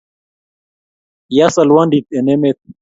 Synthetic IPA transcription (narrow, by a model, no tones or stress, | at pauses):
jasɐlwanɖit̪̚enemet̪̚